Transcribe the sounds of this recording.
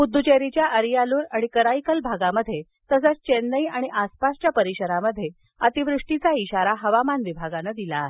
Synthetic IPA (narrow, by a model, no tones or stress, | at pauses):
ud̪ʱːut͡ɕeɾit͡ɕjaʔəɾjaluːɾaɽ̃ikəɾajkəlbʱaɡaməd̪ʱje | t̪əs̬at͡st͡ɕendəjaɽ̃iʔaspast͡ɕjapəɾiɕəɾaməd̪ʱːje | ət̪iʋɾuʂʈit͡saiɕaɾaɦəʋamanʋibʱaɡanəd̪ila